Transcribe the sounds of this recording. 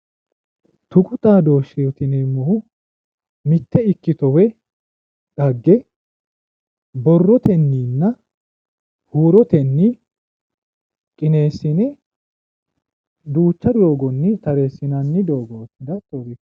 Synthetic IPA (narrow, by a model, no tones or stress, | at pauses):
t̪ʊkʼʊt̪ʼaːd̪oːʃet̪ɪnemːɔhʊ | mɪt̪ːɛɪkːɪt̪ɔwɛ | ᶑɐɡːɛ | bɔrːɔt̪ɛnːiːnːɐ | huːɾɔt̪ɛnːɪ | kʼɪneːsːɪnɛ | d̪uːt͡ʃːɐd̪jo̞ːɡɔnːɪt̪ɐɾeːsːɪnɐnːɪd̪oːɡoːd̪ɐt̪ʼoːbɪ